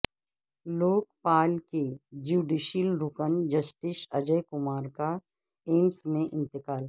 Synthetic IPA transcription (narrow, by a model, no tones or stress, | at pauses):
loːk̚paːlked͡ʒuːɖiːʃəlɾʊkənd͡ʒɐsʈɪʃɐd͡ʒəjkʊmaːɾka | eːmsmẽʔɪ̃nt̪ɪkaːl